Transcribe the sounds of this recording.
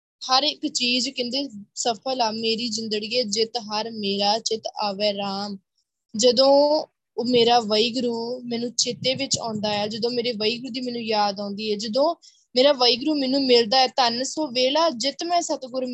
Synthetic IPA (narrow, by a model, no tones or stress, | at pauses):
həɾɪkt͡ʃiːzkɪ̃nd̪eːsəpʰəlaːmeːɾiːd͡ʒɪnd̪əɽiːɛːd͡ʒɪt̪ɦəɾmeːɾaːt͡ʃɪt̪aːʋɛːɾaːm | d͡ʒəd̪õː | meːɾaːʋəiːɡɾuːmɛ̃ːnũːt͡ʃɪt̪ːeːʋɪt͡ʃã̰ːnd̪aːɛːd͡ʒəd̪õːmeːɾeːʋəiːɡɾuːd̪iːmɛ̃ːnũːjaːd̪ãːnd̪iːɦɛːd͡ʒəd̪õː | meːɾaːʋəiːɡɾuːmɛ̃ːnũːmɪld̪aːɛːt̪ənsõːʋeːlaːd͡ʒɪt̪mɛ̃ːsət̪ɡʊɾ